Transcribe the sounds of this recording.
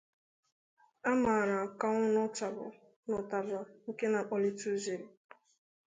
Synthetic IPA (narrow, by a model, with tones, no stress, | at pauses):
a˦maː˨ɾa˨ka˦ŋʊ˦nʊ˦ta˨bʊ̰˨ | nʊ˨ta˨ba˨ŋ̩˦ke˦na˨k͡po˨li˦tu˦ze˨ɾi˨